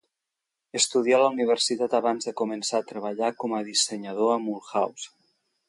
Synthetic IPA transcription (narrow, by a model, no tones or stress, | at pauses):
est̪uð̞jalauniβ̞əɾsit̪at̪aβanzðəkumənsaːt̪ɾəβaʎakɔməðiseɲað̞oamulˠxaws